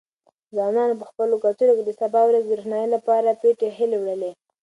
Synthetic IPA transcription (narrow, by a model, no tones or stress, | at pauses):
zwɑnɑnop̬əxpəlokat̪uɾoked̪əsabɑwɾazd̪ɾuxnɑjilapɑɾapeʈeɦɪlewɽəle